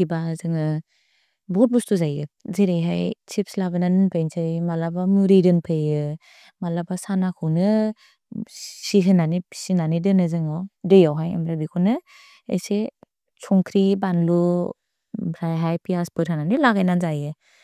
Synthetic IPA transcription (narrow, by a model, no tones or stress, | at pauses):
ibazɯŋɯ | bɔt̚bustuzajɯzeɾejɦajt͡ʃipslabananɯnpʰejnsʰɯjmalabamuɾidɯnpʰɯjɯ | malabasanakʰɯwnɯ | siɦɯnanipʰi̥sinanidɯnɯzɯŋawdɯjawɦaja̰mɾabikʰunɯ | ḛjse | t͡ʃʰɔŋkʰɾibanlu | bɾajɦajpʰiaspɯɾhananilaɡajnanzajɯ